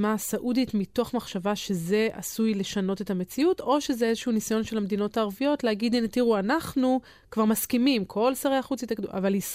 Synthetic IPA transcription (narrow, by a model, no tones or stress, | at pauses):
masaʔuditmitoχmaχʃavaʃe̞ze̞ʔa̰sujle̞ʃano̞te̞tame̞t͡siuto̞ʃe̞zeezeʃuunisajo̞nʃe̞lamed̪ino̞taːʁvijo̞tlehaɡidinetiʁuanaχnu | kvaʁmaskimimkʰo̞lsaʁejaχut͡sitakda̰valis